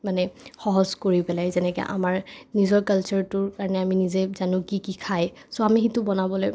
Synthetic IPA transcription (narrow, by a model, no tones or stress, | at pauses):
manɛxɔɦɔzkoɹipɛlajzɛnɛkɛ̰ʔa̰maɹnizɔɹkalt͡ʃɔɹtʊɹkaɹɔnɛaminizɛzanʊ̃kikikʰajsɔamixitʊbɔnabɔloj